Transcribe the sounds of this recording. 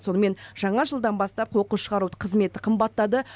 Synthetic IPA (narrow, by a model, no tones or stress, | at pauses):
so̞nəme̞nʒ̥ɑɴɑʒəlˠd̪ɑnbɑst̪ɑp̚qʰoqəʃəʁɑɾuqʰəzme̞t̪ɪqʰəmbɑt̪ːɑd̪ə